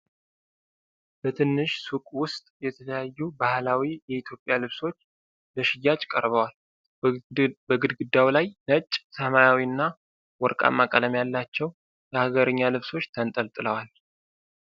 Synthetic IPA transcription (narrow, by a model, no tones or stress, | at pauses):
bət̪ʰɨnːɨʃsukʼwʊst̪ʼjɛt̪ʰələjajːubahlawijɛit̪ʰjo̞pʼːjalɨβso̞t͡ʃː | bəʃɪjːat͡ʃʼkʼəɾβəwal | bəɡɨd̪ɡɨd̪ːawlajnət͡ʃʼːsəmajawiɨnːa | wɔɾkʼa̰mːakʼələmjalːat͡ʃːɛw | jəhaɡəɾɨɲːalɨβso̞t͡ʃːt̪ʰənt̪ʼəlt̪ʼɨləwal